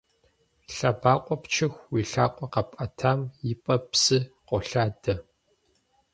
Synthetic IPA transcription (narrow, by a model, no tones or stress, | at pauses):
ɬabaːqʷʼɔpt͡ʃʰɪxʷwiːɬaːqʷʼɔqɐpʼɐtʰaːmjɪpʼɐpsɨqʷʼɔɬaːdɐ